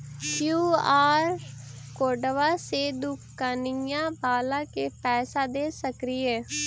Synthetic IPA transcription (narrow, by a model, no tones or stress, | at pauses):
kjuːaːɾkoːɖʋaːseːd̪ʊkːaːnijãːbaːlãːkeːpɛːsaːd̪eːsəkɾiːeː